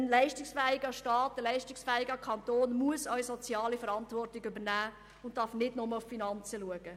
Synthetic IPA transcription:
ənlɛɪʃtɪksfɛːɪɡɑʃtɑːtːəlɛɪʃtɪksfɛːɪɡɑkʰɑnt̪oːnmuəsœʏsɔt͡sjɑːlifəɾɑntʋɔrtɪɡʏbənæː | ʊnt̚tːɑːɾfnɪdnɔməlʊffinɑnt͡səluəɡ̥ə

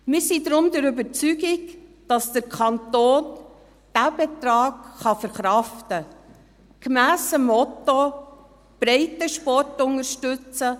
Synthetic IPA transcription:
mɪːɾsidɾʊmdɛɾybəɾt͡syɡɪɡd̥ɑsd̥əɾkʰɑntoːn | d̥æb̥etɾɑːɡχɑfəɾχɾɑftə | ɡ̥mæːsəmɔto | b̥ɾɛɪtəʃpɔɾtʊnəɾʃtʉt͡sə

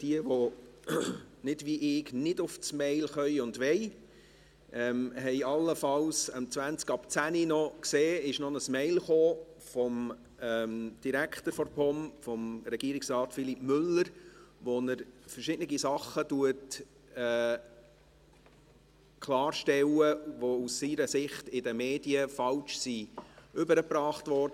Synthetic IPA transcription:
d̥iəʋɔ | nɪd̥ʋiʔɪknɪdʊft͡smɛɪlχœʏʊndʋɛɪ | ʔɛmɦɛɪɑlːəfɑlsəmt͡sʋænt͡skɑpt͡sæninɔkseːɪʃnɔnəsmɛɪlχoːfɔm | ɛmd̥iɾækχtəɾfɔɾpʰɔmfɔmɾɛɡ̥iəɾiksɾɑːtfilipmʏləɾʋonəɾfəɾʃɪdnəɡisɑχːətuət | ɛː | kʰlɑːɾʃtɛwəʋousːiɾəsɪχtɪdəmeːdiəfɑlt͡ʃsiʏbəɾəpɾɑːχtʋɔɾdə

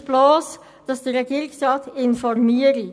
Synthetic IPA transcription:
b̥loːs | d̥ɑsd̥iʁɛɡiːɾɪksʁɑːtɪnfɔʁmiːəɾ

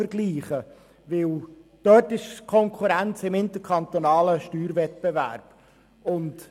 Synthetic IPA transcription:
əɾɡ̥liːχə | vɪld̥œtɪʃkʰɔŋkʰuɾænt͡sɪmɪnt̪əkʰɑnt̪onɑːləʃtyːɾvɛt̪̚b̥evæ̰ɾb̥ | ʊnt

